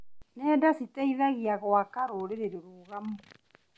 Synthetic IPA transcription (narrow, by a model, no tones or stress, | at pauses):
nɛːdasitɛiðaɣiaɣwakaɾoɾeɾeɾeɾuːɣamu